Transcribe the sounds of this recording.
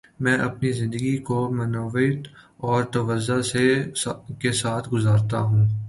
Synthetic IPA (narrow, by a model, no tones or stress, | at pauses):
mɛ̃ːʔɐpnizɪ̃nd̪əɡikomɐnɔːʋɪt̪ | ɔːɾt̪ɐʋəzːase | kesaːt̪ʰɡʊzaːɾt̪aɦũː